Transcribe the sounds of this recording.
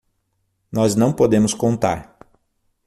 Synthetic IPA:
nɔznɐ̃w̃pod̪ẽmʊskõnt̪a̰ɾ

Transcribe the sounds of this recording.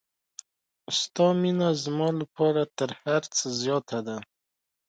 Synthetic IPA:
st̪ɑminazmɑlapʰɑɾat̪əɾhaɾt͡səzjɑt̪ʰad̪a

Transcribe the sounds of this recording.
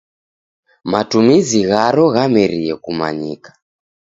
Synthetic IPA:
matumiziɣaɾɔɣamɛɾijɛkuma̰ɲḭkḁ

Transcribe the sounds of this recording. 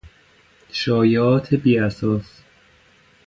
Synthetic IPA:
ʃɒːjɒːt̪ʰebiːæsɒːs

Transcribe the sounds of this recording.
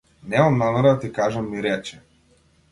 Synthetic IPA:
nɛmɔmnanaɾat̪ikaʒamːiɾɛt͡ʃɛ̥

